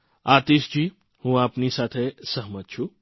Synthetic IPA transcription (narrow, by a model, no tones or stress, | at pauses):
aːt̪iːʃd͡ʒi | hũaːpnisaːt̪ʰesəɦmət̪t͡ʃʰu